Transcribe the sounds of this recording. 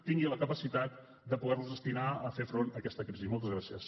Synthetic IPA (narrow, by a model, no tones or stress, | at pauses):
t̪iŋɡiləkəpəsit̪at̪ | d̪əpuðɛrluzðəst̪inaəfefɾonəkɛst̪əkɾizimɔlˠt̪əzɣɾasiəs